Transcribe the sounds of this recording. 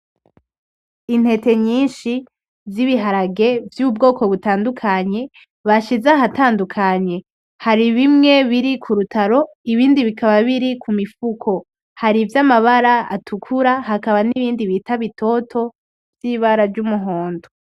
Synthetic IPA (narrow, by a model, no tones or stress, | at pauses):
in̥he̞te̞ɲiːnʃi | vziβiɦaɾaɡe̞vjub̚ɡo̞ːko̞βutaːndukʰaɲe̞ | βaʃizaɦataːndukʰaɲe̞ | haɾiβimŋe̞βiɾikʰuɾutʰaɾo̞ | iβiːndiβikaβaβiɾikʰumifukʰo̞ | haɾivjamaβaɾaa̰tʰukʰuɾahakaβaniβiːndiβitaβitʰo̞tʰo̞ | vjiːβaɾaɾɟumuɦo̞ːndo